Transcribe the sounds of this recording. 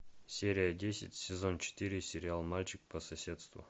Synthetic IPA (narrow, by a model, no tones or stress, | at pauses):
sʲeɾʲɪjədʲesʲɪ̰tʲsʲɪzo̞nt͡ɕɪ̥t̪ɨɾʲɪsʲɪɾʲɪalˠmalʲt͡ɕɪkpəsɐsʲe̞t̪st̪vʊ̰